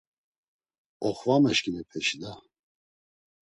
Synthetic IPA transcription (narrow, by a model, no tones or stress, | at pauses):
ɔχvamɛʃkʼinɛpʰɛʃid̪a